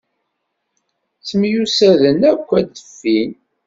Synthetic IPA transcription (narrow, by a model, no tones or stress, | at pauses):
t͡səmjusæðənækʷːæd̪əfːin